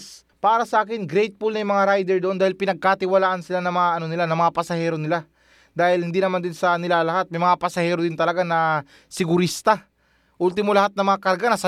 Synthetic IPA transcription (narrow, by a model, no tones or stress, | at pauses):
s | paːɾɐsɐʔaːkɪnɡɾɛjt̪̚pulnɐjmɐŋaɾajd̪ɛɾd̪oʔo̞nd̪aːhɪlpɪnɐɡ̚kat̪ɪwɐlaːʔɐnsɪlanɐmɐŋaʔɐno̞nɪlanɐmɐŋapɐsɐhɛːɾo̞nɪla | d̪aːhɪlhɪnd̪iːnɐmand̪ɪnsɐnɪlaːlɐhat̪̚mɐjmɐŋapɐsɐhɛːɾod̪ɪnt̪ɐlɐɡanɐ | sɪɡʊɾist̪ɐ | ʔult̪ɪmolɐhat̪̚nɐmɐŋakɐɾɡanɐsɐ